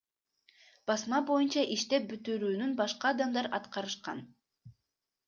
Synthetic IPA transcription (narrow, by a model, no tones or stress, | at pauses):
b̥ɑsmɑbo̞junt͡ʃɑʔiʃt̪e̞p̚byt̪yɾyːnynbɑʃqɑːd̪ɑmd̪ɑɾɑ̰t̪qɑɾɯʃqɑ̰n